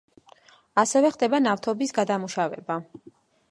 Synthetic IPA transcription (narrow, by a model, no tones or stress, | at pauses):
asɛvɛχd̪ɛbanaft̪ʰɔbisɡad̪amuʃavɛ̰ba